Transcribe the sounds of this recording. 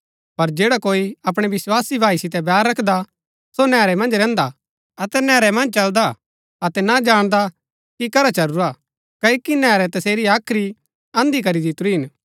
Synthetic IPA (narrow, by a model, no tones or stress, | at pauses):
pɐɾd͡ʒeːɽakoːiɐp̬ɽ̃ɛʋɪswaːsibʱaːisɪt̪ɛbɛːɾːɐkʰd̪a | sonɛːɾɛmɐ̃nd͡ʒɾɛ̃ːnd̪a | ɐt̪ɛnɛːɾɛmɐ̃nd͡ʒt͡ʃɐld̪a | ɐt̪ɛnad͡ʒaːɽ̃d̪a | kikɐɾat͡ʃɐɾuɾa | kɐikinɛːɾɛt̪ɐseːɾiaːkʰɾi | ɐ̃nd̪ik̬ɐɾid̪ɪt̪ʊɾuɦɪn